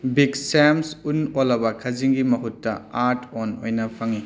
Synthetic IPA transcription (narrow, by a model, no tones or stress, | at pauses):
biksemsunolɐbɐkʰɐziŋɡimɐɦutːɐaɾtʰono̰jnɐpʰɐŋi